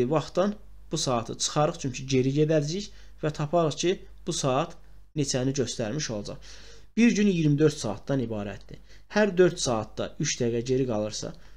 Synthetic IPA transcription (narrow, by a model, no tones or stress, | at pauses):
ivɑχt̪d̪ɑn | b̥usɑːt̪ʰɯt͡ʃʰɯ̥χɑɾɯχt͡ʃʰyɲcʰiɟe̞ɾiɟe̞d̪æɾd͡ʒiç | væt̪ʰɑpʰɑɾɯχcʰi | b̥usɑːɑt̪ʰ | net͡ʃʰæniɟø̞st̪æɾmiʃo̞lˠɑd͡ʒɑ̰χ | b̥iɾɟynijiɾmid̪ø̞ɾt̪sɑ̰ːt̪d̪ɑnibɑːɾæ̰t̪̚d̪ḭ | hæɾd̪ø̞ɾt̪sɑːt̪̚d̪ɑ̰ʔyʃd̪æɡæɟe̞ɾiɡɑlˠɯɾsɑ̰